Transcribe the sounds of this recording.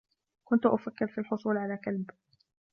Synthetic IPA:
kʊnt̪ʊʔʊfakːɪɾfilħʊsˤuːlʕalaːkalb

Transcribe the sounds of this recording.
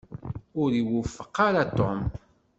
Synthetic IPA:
ʊɾiwufːə̥qːaɾat̪om

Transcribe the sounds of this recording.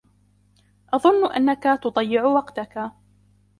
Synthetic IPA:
ʔɑðˤʊnːʔa̰nːakat̪ʊd̪ˤɑjːɪʕʊwɑqt̪aka

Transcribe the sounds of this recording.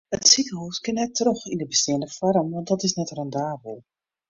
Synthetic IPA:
ətsikəɦoskɪnɛtrɔxindəbəstɪəndəfɔɾəmʋɑnt̚dɔtɪsnɛtrɔndaːbəlˠ

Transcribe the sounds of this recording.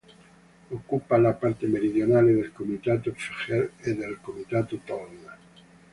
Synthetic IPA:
okːupalapaɾt̪emeɾiðjonaleðelkomit̪at̪ofiχeleðelkomit̪at̪ot̪ɔnːa

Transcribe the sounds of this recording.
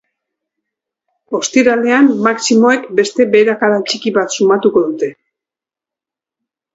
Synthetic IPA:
o̞st̪iɾale̞amːaksimo̞e̞kbe̞st̪e̞be̞ːɾakaðat͡ʃikiβat̪sumat̪uko̞ðut̪e̞

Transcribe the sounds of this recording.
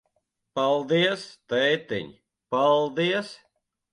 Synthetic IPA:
palˠd̪iɛst̪ɛjt̪ḭɲ | palˠd̪iɛs

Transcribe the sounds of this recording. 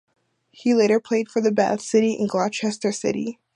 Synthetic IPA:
hileɪɾə˞pʰl̥eɪd̥fə˞ðɨbæ̰sɪɾiʔɨ̰̃nɡlɑt͡ʃʰɛstə˞sɪ̰ɾḭ

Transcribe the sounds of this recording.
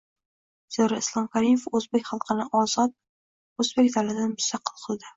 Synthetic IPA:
z̥eɾɪɪslˠɒmkʲʰaɾimefɵzbekʲχɑlˠqʰɨnɪʔɒzɒt̪̚ | ɵzbekʲd̪alad̪anmʊst̪ɑqʰːɨlˠqʰɨlˠd̪ɪ

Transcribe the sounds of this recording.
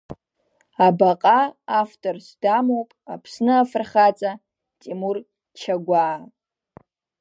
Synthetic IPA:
abaqʼaːftʼorsdamowpʼapʰsnɨafrχat͡sʼa | tʼimur | t͡ʃʰaɡʷaː

